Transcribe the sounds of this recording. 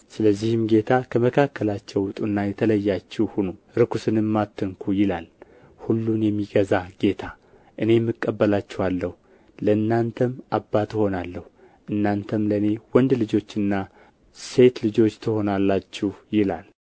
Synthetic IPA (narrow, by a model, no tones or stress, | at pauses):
sɨləzːihɨmɡe̞t̪ʰakʰəməkʰakːəlat͡ʃːɛwwʊt̪ʼunːajɛt̪ʰələjːat͡ʃːɛhunu | ɾɨkusɨnɨmːat̪ʰːɨŋkʰujɪlal | hulːunjɛmːiɡəzaɡe̞t̪ʰa | ʔɨne̞jɛmːɨkʼːəbːəlat͡ʃːɛhalːəhu | ləɨnːant̪ʰəmʔabːat̪ɪho̞nalːəhu | ʔɨnːant̪ʰəmləɨne̞wɔnd̪lɨd͡ʒo̞t͡ʃːɨnːa | se̞t̪lɨd͡ʒo̞t͡ʃːt̪ʰɨho̞nalːat͡ʃːɪhjɪla̰l